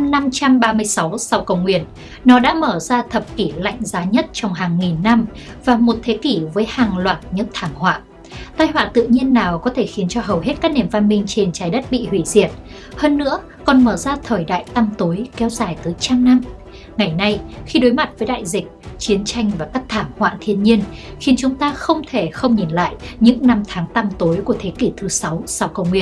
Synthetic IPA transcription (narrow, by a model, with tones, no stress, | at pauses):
mna˧mt͡ɕa˧mɓaː˧mɨ˧əjsa˨˦wsa˧wkə˧˩wŋ͡mŋwḭ˧˨ənː | ɔ˨˦ɗa̰ː˧˥məː˧˩zaː˧t̪ʰə˨˩p̚ki˧˩la̰˧˨jŋ̟zaː˨˦ɲə˦˥t̚t͡ɕɔ˧wŋ͡mɦaː˨˩ŋːi˨˩nːa˧m | vaː˨˩mo˨˩t̚t̪ʰe˨˦ki˧˩vəː˨˦jhaː˨˩ŋlwaː˨˩t̚ɲɨ̰˧˥ŋt̪ʰaː˧˩ŋhwa̰ː˧˨ | t̪aː˧jhwa̰ː˧˨t̪ɨ̰˧˨ɲi˧ənːaː˨˩wkɔ˨˦t̪ʰe˧˩xi˨˦ənt͡ɕɔ˧ɦə˨˩wɦe˦˥t̚kaː˦˥k̚ne˨˩mva˧nmï˧ŋ̟t͡ɕe˧nt͡ɕaː˨˦jɗə˦˥t̚ɓḭ˧˨hwi˧˩zḭ˧˩ət̚ | həː˧nːɨ̰˧˥ə | kɔ˨˩nməː˧˩zaː˧t̪ʰəː˨˩jɗa̰ː˧˨jt̪a˧mt̪o˨˦jkɛ˨˦wzaː˧˩jt̪əː˨˦jt͡ɕaː˧ŋna˧m | ŋa˨˩jna˧jxi˧ɗo˨˦jma˨˩t̚vəː˨˦jɗa̰ː˧˨jzï˨˩k̟̚t͡ɕi˨˦ənt͡ɕa˧jŋ̟vaː˨˩kaː˦˥k̚t̪ʰaː˧˩ŋhwa̰ː˧˨t̪ʰi˧ənɲi˧ənxi˨˦ənt͡ɕʊ˨˦ŋ͡mt̪aː˧xə˧wŋ͡mt̪ʰe˧˩xə˧wŋ͡mɲi˨˩nla̰ː˧˨jɲɨ̰˧˥ŋna˧mt̪ʰaː˨˦ŋt̪a˧mt̪o˨˦jku˧˩ət̪ʰe˨˦ki˧˩t̪ʰɨ˨˦sa˨˦wsa˧wkə˧wŋ͡mŋwi˧˩ə